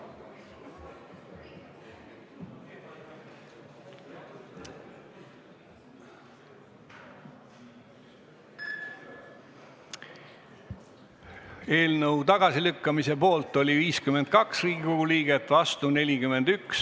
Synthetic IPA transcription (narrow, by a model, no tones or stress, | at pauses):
e̞ːlnəwt̪ɑɡ̥ɑsilykːɑmise̞po̞ːlt̪ːˑo̞lʲiviːskyment̪̚kɑksriːɡ̥ikoɡ̥uliːɡ̥et̪ːˑvɑst̪une̞lʲikyme̞nd̪̥yks